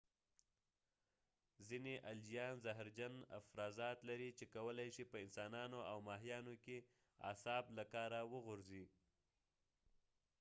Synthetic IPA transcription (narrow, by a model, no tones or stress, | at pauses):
zineʔald͡ʒijɑnzaɦɾd͡ʒana̰fɾɑzɑt̪laɾit͡ʃekawəlajʃipəɪnsɑnɑnoawmɑɦijɑnoke | ɑ̰sɑblakɑɾawəɣʊɾzi